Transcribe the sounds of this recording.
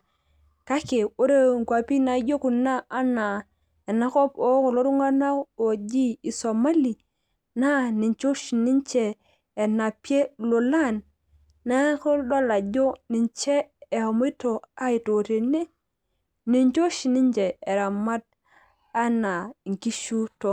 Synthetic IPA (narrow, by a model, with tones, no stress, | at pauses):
ka˦ke˨o˦ɾe˦˨ŋ˨kwa˨pi˦na˨˦ɟo˦ku˨naː˦na˨ | e˨na˦ko˦po˦ko˨lo˦ɾu˦ŋa˦na˦o˨d͡ʒi˦i˨so˨ma˦li˨ | na˦ni˨ɲt͡ʃo˦ʃi˨ni˦ɲt͡ʃeː˨ | na˨pe˦lo˨la˦˨nː | a˦ko˦do˦la˨ɟo˦ni˨ɲt͡ʃe˦e˨ho˨mo˦to˨a˦i˨to˨te˨ne˦ | ni˨ɲt͡ʃo˦ʃi˨ni˦ɲd͡ʒe˨e˨ɾa˨ma˦d̚ | a˦na˨ŋki˦ʃu˦to˨